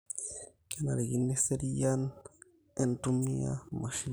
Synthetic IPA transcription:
kenaɾeɣinːeseɾijan | entumia̰maʃin

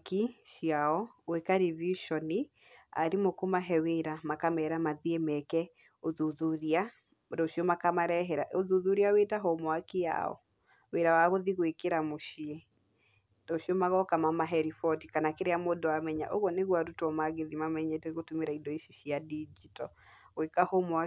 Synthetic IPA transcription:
kiʃiaɔwekaɾiviʃɔni | a̰ɾimokomaɦɛweɾamakamɛːɾamaðiemɛkɛ | oðuðuɾia | dɔʃiɔmakamaɾɛɦɛɾaʔoðuðuɾiawetaɦɔmɔakea̰ɔ̰ | weɾawaɣoðiɣoekeɾamoʃie | dɔɕiɔmaɣɔkamamaɦɛɾifɔtikanakeɾeamoːdoamɛɲa̰ʔoɣwɔneɣwaɾutɔmaɣeðimamɛɲɛtɛɣotumeɾaidɔiʃiʃiadid͡ʒitɔwekahomoa

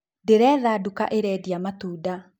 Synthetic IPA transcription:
deɾɛːðaduka̰ʔeɾɛːdiamatuːda

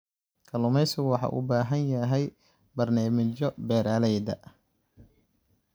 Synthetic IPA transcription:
kʰɐlʊmɛjsɪɣwɑħɑ̰ːʔʊ̰baːɦɐnjɐɦɛj | bɐrnaːmɪt͡ʃɔbɛːɾaːlɛjd̪ɐ̰

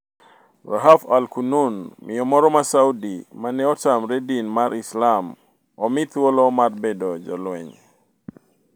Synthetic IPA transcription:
raɦafalkununmʔɪɔmɔɾɔmasaudimanɛɔtamɾedinmaɾislam | ɔmit̪wɔlɔmarbedɔd͡ʒɔ̰lwɛɲ

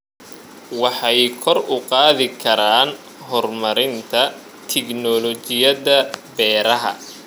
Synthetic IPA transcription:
wɑħɑjkʰɔrʊqɑːðɪkʰɐɾaːn | ɦɔrmɐɾɪnt̪ʰɐ | t̪ʰɛknɔlɔt͡ʃɪjɐðɐbɛːɾɐɦɐ̰

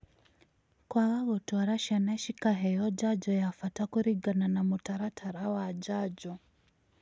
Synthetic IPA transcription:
kwaɣaɣɔtuaɾaʃianaɛʃikaɦɛjɔd͡ʒad͡ʒɔjafatakuɾiɡananamutaɾatʰaɾawad͡ʒad͡ʒɔ

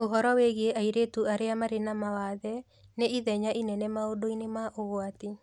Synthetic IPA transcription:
oɦɔɾɔweɣieʔaiɾetuaɾeamaɾenamawaðɛ | neiðɛɲainɛnɛmaodoinemaʔoɣwat̪i

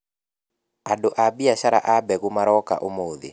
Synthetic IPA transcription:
adoʔabiaʃaɾa̰ʔabɛɣumaɾɔka̰ʔomoðḛ

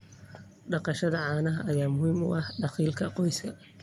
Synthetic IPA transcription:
ɖɑqɑʃɐðɐʕɑːnɐɦɐʔɐjaːmʊɦiːmʊ̰ʔɑhɖɑχiːlkʰɐqɔjskʰɐ

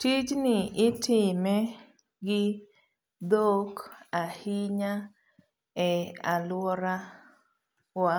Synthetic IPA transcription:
tit͡ʃnɪɪtɪmɛ | ɡɪ | d̪okahiɲa | ɛa̰lwɔɾa | wa

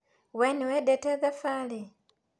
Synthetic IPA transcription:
weniwedeteðafaːle

